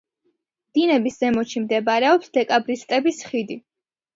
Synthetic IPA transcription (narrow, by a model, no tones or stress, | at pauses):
md̪̥inɛbisz̥ɛmɔt͡ʃʰimd̪ɛbaɾɛɔpsd̪̥ɛkʼabɾist̪ʼɛbisχid̪i